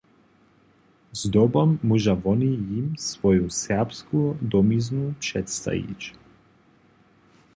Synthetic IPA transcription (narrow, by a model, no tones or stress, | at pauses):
zd̪ɔbamːuʒavɔnijimsvɔjusɛpskud̪ɔmiznupʃɛt̪st̪a̰ḭt͡ʃ